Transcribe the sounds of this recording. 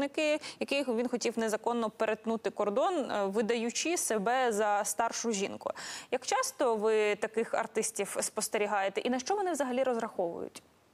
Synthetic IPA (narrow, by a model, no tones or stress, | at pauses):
nɪkɪjɐkɪjʋʲinxɔtʲiwnezɐkɔnːɔpeɾet̪nut̪ɪkɔrd̪ɔnʋɪd̪ɐjʊt͡ʃisebɛzɐst̪ɑrʃʊʒʲinkʊ̰jɐkt͡ʃɑst̪ɔʋɪt̪ɐkɪxɐ̰rt̪ɪsʲtʲiwspɔst̪eɾʲiɦɑjet̪ɛʔinɐʃt͡ʃɔʋɔnɪʋzɐɦɐlʲiɾɔzɾɐxɔʋʊ̰jʊ̰tʲ